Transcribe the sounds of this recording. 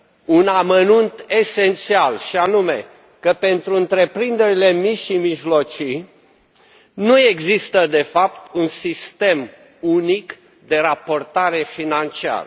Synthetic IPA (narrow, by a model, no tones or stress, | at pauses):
unamənunt̪e̞se̞nt̪sialʃianume̞̰ | kəpe̞nt̪ɾuɨnt̪ɾe̞pɾind̪e̞ɾile̞miʃimiʒlo̞t͡ʃi | nue̞ɡzist̪əd̪e̞fap̚t̪unsist̪e̞m | unik | d̪e̞ɾapo̞rt̪aɾe̞finant͡ʃia̰rə